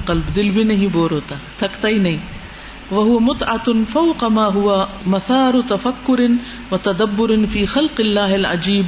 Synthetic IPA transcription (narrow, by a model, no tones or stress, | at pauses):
qɑlbd̪ɪlbɪnɪɦiboːɾʊt̪at̪akt̪ajni | waɦʊwamʊt̪ˤʕɑfawqɑmaːɦʊwa | maθaːɾˤt̪afakːʊɾɪ | wat̪ad̪abːʊɾɪnfiːxalqɪlːaːɦɪlʕa̰d͡ʒiːb